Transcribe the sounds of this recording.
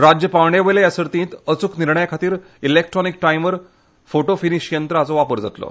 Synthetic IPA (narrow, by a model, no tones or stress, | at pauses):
ɾad͡ʑjəpawɳeʋəjlejasəɾt̪ĩːt̪ət͡sukniɾɳəjakʰat̪iːɾ | ilek̚ʈɾɔnik̚ʈaimʋəɾ | foʈofiniɕjənt̪ɾəat͡sɔʋapəɾd͡za̰t̪lo̰